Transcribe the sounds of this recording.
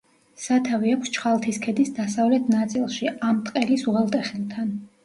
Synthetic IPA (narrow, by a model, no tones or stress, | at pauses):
sat̪ʰaviakʰʷst͡ʃʰχalˠt̪ʰiskʰɛd̪isd̪asavlɛt̪ʰnat̪sʼilˠʃiamt̪ʼqʼɛlisuʁɛlˠt̪ʼɛχilˠt̪ʰan